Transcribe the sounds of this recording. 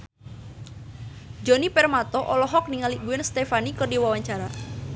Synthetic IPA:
d͡ʒɔnipɛrmat̪ɔʔɔlɔɦɔk̚niŋaliɡuɛnst̪efanikərdiwawaɲt͡ʃaɾa

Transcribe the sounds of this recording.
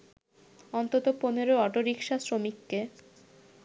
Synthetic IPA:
ɔnt̪ot̪oponeɾoɔʈoɾikʃasɾomikːe

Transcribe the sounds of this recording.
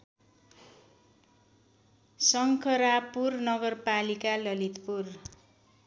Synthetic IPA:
sʌŋkʰʌɾapurnʌɡʌrpalikalʌlit̪pur

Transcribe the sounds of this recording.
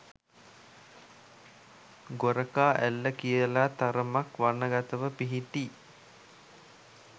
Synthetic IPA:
ɡoɾəkaːʔælːəkijəlat̪aɾəmakʋanːəɡat̪əʋəpiɦiʈi

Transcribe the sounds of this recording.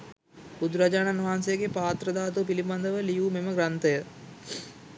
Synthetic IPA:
bud̪ɾad͡ʒaːnanuʋɦaːnsejəɡepaːt̪ɾəd̪aːt̪̬up̬iliband̪əʋəlijumeməɡɾant̪əjə

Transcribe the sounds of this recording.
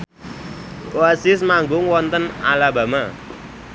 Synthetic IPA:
oasɪsmaŋɡʊŋwɔnt̪əna̰laba̤ma

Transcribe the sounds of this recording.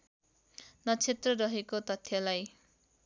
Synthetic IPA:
nʌt͡sʰet̪rʌrʌɦekot̪ʌt̪ʰjʌlaj

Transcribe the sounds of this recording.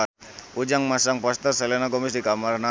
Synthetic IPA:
ud͡ʒaŋmasaŋpast̪əsalanaɡɔmisdikamarna

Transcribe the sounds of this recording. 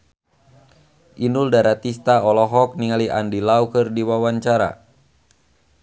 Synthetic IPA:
ʔinuldaɾat̪ist̪aɔlɔɦɔk̚niŋaliʔa̰ndilaukɨrdiwawaɲt͡ʃaɾa̰

